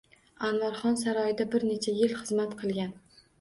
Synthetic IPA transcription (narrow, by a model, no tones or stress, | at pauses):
anvaɾχɒnsaɾɒjɪd̪abɪɾne̞t͡ʃʰajɪlχɨzmat̪qʰɨlˠɡʲan